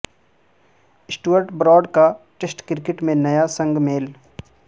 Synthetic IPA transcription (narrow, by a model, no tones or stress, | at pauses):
ɪsʈuəɾʈbɾɔːɖka | ʈesʈkɪɾkɪʈmẽnɐjasə̃ŋɡmeːl